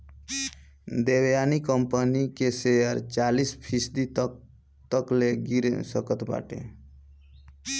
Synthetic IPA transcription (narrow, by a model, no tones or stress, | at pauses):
d̪ewjanikəmpənikesejəɾt͡ʃalispʰisd̪i | t̪əkleɡiɾesəkət̪ba̰ʈḛ